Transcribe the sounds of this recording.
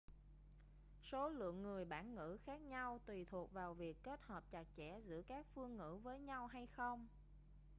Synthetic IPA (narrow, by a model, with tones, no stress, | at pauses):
so˨˦lɨ̰˧˨əŋːɨ˨˩əjɓaː˧˩nŋɨ̰˧˥xaː˦˥k̚ɲa˧wt̪wi˨˩t̪ʰu˨˩ək̚vaː˨˩wvi˨˩əkːe˦˥t̚həː˨˩p̚t͡ɕa˨˩k̚t͡ɕɛ̰˧˩zɨ̰˧˥əkaː˦˥k̚fɨ˧əŋːɨ̰˧˥vəː˨˦jɲa˧wɦa˧jxə˧wŋ͡m